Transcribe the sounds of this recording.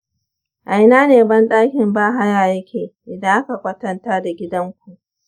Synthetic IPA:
ʔa˨jnaː˦neː˨bɐ˦nɗaː˦kʲɪ˨mbaː˦ɦa˦jaː˨jɐ˦kʲʰeː˨ʔɪ˨dɐ˦ŋʔa˦ka˨kʷɐ˦tɐ˦ntaː˦da˨ɡʲɪ˦dɐ˦ŋkʷu˨ʔ

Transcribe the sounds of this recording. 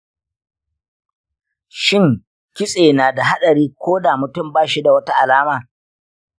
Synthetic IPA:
ʃɪ˦ŋ | kʲɪ˦sʼeː˨naː˨da˨ɦa˦ɗɐ˨ɾiː˦kʷoː˦daː˨mʊ˨tʊ˦˨mbaː˦˨ʃi˦da˨wɐ˦ta˦ʔa˨laː˦maː˨

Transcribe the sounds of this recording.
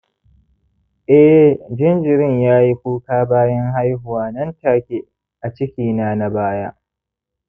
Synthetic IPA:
ʔɛ˦d͡ʒɪ˦nd͡ʒɪ˨ɾɪ˦ɲjaː˦ji˦ɸuː˦kaː˦baː˦jɐ˦ŋɦa˦jɦʊ˨waː˨nɐ˦ntaː˦˨kʲe˦ | ʔa˨t͡ʃɪ˦kʲiː˨naː˦na˨baː˦jaː˦

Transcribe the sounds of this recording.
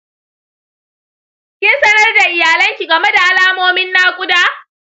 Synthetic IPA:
kʲɪ˦nsɐ˦nɐ˦rda˨ʔɪ˨jaː˨lɐ˦ŋkʲi˨ɡɐ˨me˦da˨ʔa˦laː˦moː˦mɪ˦nːaː˦kʷʼʊ˦daː˦

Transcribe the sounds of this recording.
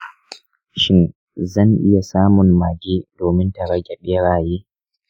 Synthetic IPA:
ʃɪ˦n | zɐ˦˨nʔɪ̰˦ja˨saː˦mʊ˨nmaː˨ɡʲeː˦doː˨mɪ˦nta˨ɽɐ˦ɡʲɛ˨ɓe˦ɽaː˨jeː˦

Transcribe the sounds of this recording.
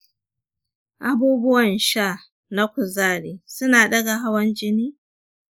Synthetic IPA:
ʔa˦buː˦bʊ˦wɐ˨nʃa˦˨ | na˦kʷʊ˨zaː˦ɾeː˨sʊ˦naː˨ɗɐ˦ɡa˨ɦa˦wɐ˦nd͡ʒɪ˦niː˦

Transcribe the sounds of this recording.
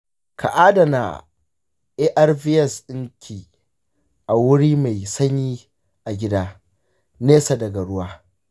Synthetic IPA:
kʰa̰˨ʔaː˦da˨na̰˨ | ʔe˦ʔa˦rvi˦ɛ˨sɗɪ˦ŋkʲʰiː˨ | ʔa˨wʊ˦ɽiː˦ma˨jsɐ˦ɲiː˦ | ʔa˨ɡʲɪ˦daː˦ | neː˦sa˨dɐ˨ɡa˨ɽʊ˦waː˦

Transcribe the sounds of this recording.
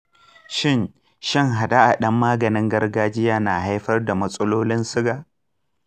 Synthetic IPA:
ʃɪ˦˨n | ʃɪ˦ŋɦa˨da˦ʔa˨ɗɐ˦mːaː˦ɡɐ˨nɪ˦ŋɡɐ˦rɡaː˦d͡ʒɪ˦jaː˦na˨ha˦jɸɐ˦rda˨mɐ˦sʼɐ˦loː˦lɪ˦nsɪ˦ɡaː˨ʔ

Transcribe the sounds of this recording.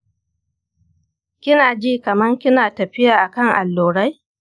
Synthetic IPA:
kʲɪ˦naː˨d͡ʒiː˦kɐ˨mɐ˦ŋkʲɪ˦naː˨tɐ˨ɸɪ˦jaː˨ʔa˨kɐ˦˨ŋʔa̰˨lːoː˨ɽa˦j

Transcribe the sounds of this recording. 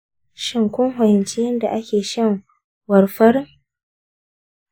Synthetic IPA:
ʃɪ˨ŋkʷʊ˦ŋɦɐ˨jɛ˨nt͡ʃi˦jɐ˦nda˨ʔa˦kʲeː˨ʃɐ˦˨ŋ | wɐ˨rɸɐ˦r

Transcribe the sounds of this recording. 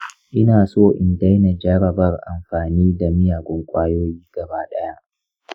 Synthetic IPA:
ʔɪ˦naː˨soː˦˨ʔɪ˨nda˦jna˨d͡ʒa˦ɾɐ˨bɐ˦rʔa̰˨mɸaː˨niː˦da˨mɪ˦jaː˨ɡʷʊ˦ŋkʷʼaː˦joː˦jiː˦ɡ̥ɐ˨baː˦ɗɐ˦ja˦ʔ

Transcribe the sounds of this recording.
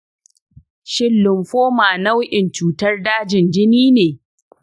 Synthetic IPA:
ʃɪ˦lːʊ˨mɸoː˦maː˨na˦wʔɪ˨nt͡ʃuː˨tɐ˦rdaː˦d͡ʒɪ˨nd͡ʒɪ˦niː˦neː˨

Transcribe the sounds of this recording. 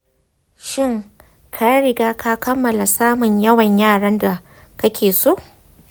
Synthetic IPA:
ʃɪ˦˨ŋ | kʰa˦ɽɪ˨ɡaː˦kʰa˦kɐ˦mːɐ˨la˨saː˦mʊ˨ɲjɐ˦wɐ˨ɲjaː˦˨ɽɐ˦nda˨ | kɐ˦kʲeː˨soː˦ʔ

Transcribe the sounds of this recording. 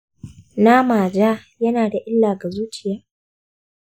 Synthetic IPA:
na˦maː˨d͡ʒaː˦jɐ˦naː˨da˨ʔɪ˦lːaː˨ɡa˨zuː˦t͡ʃɪ˨jaː˦

